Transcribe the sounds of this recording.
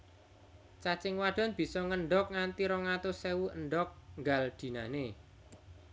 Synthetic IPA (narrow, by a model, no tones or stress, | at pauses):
t͡ʃat͡ʃɪŋwaɖ̥a̤nb̥i̤sɔŋənɖɔk̚ŋant̪iɾɔŋat̪ʊsewuʔənɖɔk̚ŋɡald̪̥i̤nane